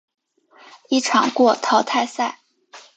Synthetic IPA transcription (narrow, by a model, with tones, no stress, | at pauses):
i˥˩ʈ͡ʂʰɑ˨˩ŋkwɔ˥˩t̪ʰɑ˧˥ʊt̪ʰa˥˧ɪsa˥˩ɪ